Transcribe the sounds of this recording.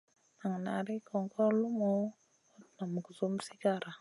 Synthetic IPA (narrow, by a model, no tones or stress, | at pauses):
naŋnaɾikʰɔŋkɔlumu | ɔt̪̚namukusumsiɡaɾa